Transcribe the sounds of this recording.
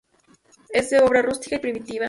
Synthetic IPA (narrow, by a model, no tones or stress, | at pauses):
ezd̪e̞o̞βɾarust̪i̥kaipɾimit̪iβa